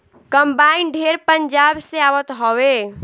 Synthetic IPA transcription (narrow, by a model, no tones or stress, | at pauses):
kəmbainɖʱeɾpəɲd͡ʒabseawət̪ɦɔwe